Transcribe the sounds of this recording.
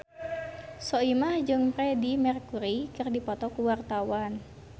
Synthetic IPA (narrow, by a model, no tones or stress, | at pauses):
sɔimahd͡ʒɨŋpɾɛdimɛrkuɾikɨrdipɔt̪ɔkuwart̪awan